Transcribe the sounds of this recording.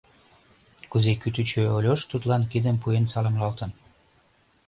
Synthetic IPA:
kuzekyt̪yt͡ɕøolʲoʃt̪ut̪lɑnkid̪əmpujensɑləmlɑlt̪ə̆n

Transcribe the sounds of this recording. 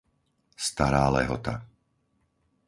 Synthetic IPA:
st̪aɾaːlɛɦɔ̰t̪a

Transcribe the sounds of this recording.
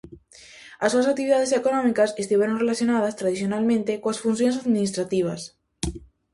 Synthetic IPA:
asːuasakt̪iβiðað̞esekonõmikasest̪iβeɾonrelaθjonað̞ast̪ɾað̞iθjonalmẽnt̪ekoasfunθ̬jonsaðmĩnist̪ɾat̪iβ̞a̰s

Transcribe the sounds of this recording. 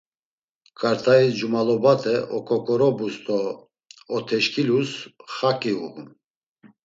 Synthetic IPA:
kʼaɾt̪ʰaisd͡ʒumalɔbat̪ʰʼɛʔɔkʰʼɔkʼɔɾɔbust̪ʰʼɔ | ɔt̪ʰɛʃkʰʼilusχakʼiṵhum

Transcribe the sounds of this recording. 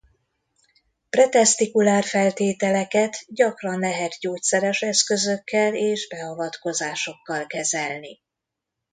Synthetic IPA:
prɛt̪ɛst̪ikulaːrfɛlt̪eːt̪ɛlɛkɛt̪ɟɒkrɒnlɛɦɛt̪ɟoːt̪sɛɾɛʃɛskø̞zøkːɛleːʒbɛɒvɒt̪ko̞zaːʃo̞kːɒlkɛzɛlni

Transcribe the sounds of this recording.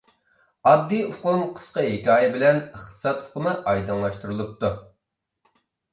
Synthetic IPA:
ɑb̚d̪iuqʊmqʰə̥sqəɦekʲɑːjɛbɪlɛnəχt̪ʰɨ̥sɑt̪u̥qʰʊmɨʔɑjd̪ɨŋlˠɑʃt̪uɾɨlˠup̚t̪u

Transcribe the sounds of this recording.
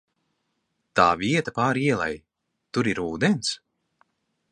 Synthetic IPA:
t̪aːviɛt̪apaːɾiɛlˠɛ̰j | t̪uɾiɾuːd̪ɛns

